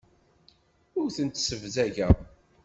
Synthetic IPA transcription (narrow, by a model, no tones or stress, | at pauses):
ʊɾθənt̪səvzæʝæ